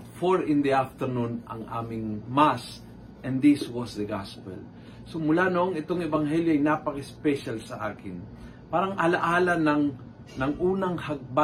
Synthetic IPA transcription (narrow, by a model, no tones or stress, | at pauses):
foɹɪ̃nd̪iaft̪ɛɾnunʔɐ̰ŋʔa̰ːmɪŋmas | ʔɛ̃nd̪ɪswɔsd̪əɡaspɛ̰l | sʊmʊlanoʔoŋɪt̪oŋɛbɐŋɦɛljoɐjnaːpɐkaspɛʃalsɐʔaːkɪn | paːɾɐŋʔɐlɐʔaːlɐnɐŋ | nɐŋʔuːnɐŋhɐɡ̚ba